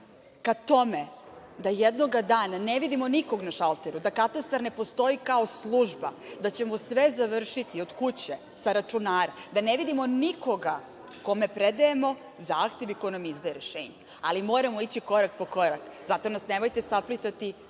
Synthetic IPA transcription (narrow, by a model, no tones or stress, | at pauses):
kat̪o̞med̪ajed̪no̞ɡad̪aːnaneʋid̪imoniko̞ɡnaʃalˠt̪eɾud̪akat̪ast̪aɾne̞po̞st̪o̞ikaoslˠuʒba̰d̪at͡ɕe̞mosʋezaʋr̩ʃit̪io̞d̪̥kut͡ɕe | saɾat͡ʂunaːɾad̪aneʋid̪imo̞niko̞ɡa | ko̞me̞pɾed̪aemo̞ | zaːxt̪e̞ʋiko̞jnamizd̪ajeɾeʃḛːɲe | a̰limo̞ːɾamoit͡ɕiko̞ɾak̚po̞ko̞ɾakzat̪o̞nasnemojt̪e̞saplit̪at̪i